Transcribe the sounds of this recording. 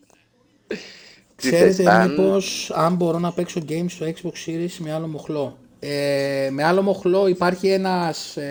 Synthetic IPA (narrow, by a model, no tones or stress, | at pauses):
kse̞ɾe̞t̪emipo̞sɐmbo̞ɾo̞nɐpe̞kso̞ɟe̞jmst̪oekzbo̞ksiɾisme̞ɐlo̞mo̞xlo̞ | eme̞ɐlo̞mo̞xlo̞ipɐɾçie̞nɐs